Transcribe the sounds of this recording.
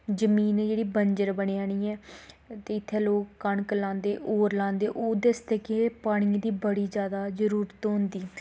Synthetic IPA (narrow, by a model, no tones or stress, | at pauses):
d͡ʒəmiːneːd͡ʒeːɽiːbəɲd͡ʒəɾbəɽ̃eːaːɽ̃iːɛːt̪eːɪt̪ʰːeːloːkːəɳkəlãːnd̪eːʔoːɾlãːnd̪eːʔoːd̪əst̪eːkepaːɽ̃iːd̪iːbəɽiːd͡ʒjaːd̪aːzəɾuːɾət̪ɦʊ̃nd̪iː